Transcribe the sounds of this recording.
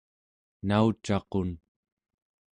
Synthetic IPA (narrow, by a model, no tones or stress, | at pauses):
naut͡ʃɑqon